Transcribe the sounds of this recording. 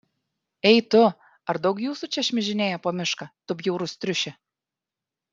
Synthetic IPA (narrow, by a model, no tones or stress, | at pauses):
ɛɪt̪ʊ | ɐɾd̪ɐʊkjuːsut͡ʃʲɛʃʲmʲɪʒʲɪnʲeːjɛpoːmʲɪʃkɐt̪ʊbʲjuːɾʊst̪ʲɾʲʊʃʲɪ